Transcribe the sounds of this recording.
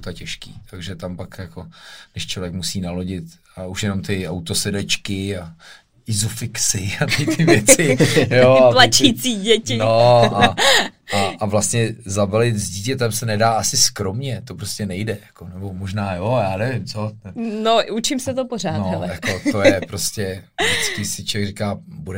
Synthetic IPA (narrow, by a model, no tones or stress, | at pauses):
t̪acɛʃkḭːt̪ʰaɡʒɛt̪ampakjako̞dɪʃt͡ʃlo̞vjɛkmusiːnalo̞ɟɪt̪ | auʃjɛno̞mt̪ɪawt̪osɛdɛt͡ʃkɪa | ɪzufɪksɪat̪ɪt̪ɪvjɛt͡sɪjoalat͡ʃit͡siːɟɛcɪnoa | aʔavlast̪ɲɛzabɛlɪt̪zɟiːcɛt̪ɛmsɛnɛdaːasɪskɾo̞mɲɛt̪o̞pɾoscɛnɛjdɛjakonɛbo̞moʒnaːjojaːnɛvɪmt͡sonɛbnout͡ʃɪmsɛt̪oporaːnojakot̪ojɛpɾoscɛdɪt͡skiːsɪt͡ʃovjɛɡrɪkaːbudɛ